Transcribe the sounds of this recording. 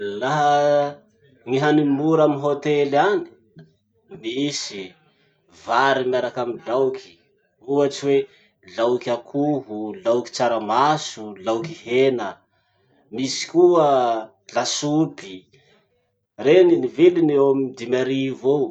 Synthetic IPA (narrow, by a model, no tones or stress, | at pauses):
laɦə | ŋiɦanimuɾamiɦot̪elani̥ | misi | vaɾimjaɾakamilawkʰi̥ | uat͡siwe | lawkʲakʰuɦulawki̥t͡saɾamasulawkihenə | misi̥kuə | lasubi | reninivilinewamid̪imaɾivo